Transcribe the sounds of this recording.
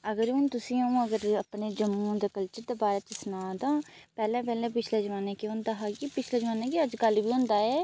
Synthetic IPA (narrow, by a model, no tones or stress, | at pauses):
əɡəɾũːnt̪ʊsĩːõəɡəɾəpɳeːd͡ʒəmːũːd̪eːkəlt͡ʃəɾd̪eːbaːɾeːt͡ʃəsʊnaːd̪ãːpɛːlɛ̃ːpɛːlɛ̃ːpɪt͡ʃʰleːd͡ʒəʋaːnẽːkeɦʊ̃nd̪aːɦaːɡipɪt͡ʃʰleːd͡ʒəʋaːnãːkeəd͡ʒɡəlʋiːɦʊ̃nd̪aːɦɛː